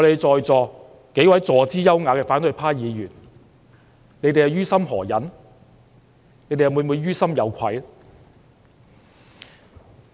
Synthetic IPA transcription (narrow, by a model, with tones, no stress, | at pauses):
ɔ˨˧le˨˧jt͡sɔː˨jt͡sɔː˨˧ | ke˨˥jwɐ˨˥jt͡sɔː˨˧t͡siː˥jɐ˥wŋaː˨˧kɛː˧faː˨˥nt̪ɵ˨˧jpʰaː˥jiː˨˧jyː˨˩n | ne˨˧jt̪e˨jɐ˨˧wjyː˥sɐ˥mɦɔ̰ː˨˩jɐ˨˥n | ne˨˧˥jte˨jɐ˨mu˨˧mu˨˧jɥyː˥sɐ˥mjɐ˨˧wkʰɐ̰˨˧j